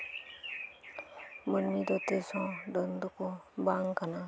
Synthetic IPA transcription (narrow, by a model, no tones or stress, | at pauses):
mənmid̪ot̪esɔ̃ɖənd̪ukobaŋkana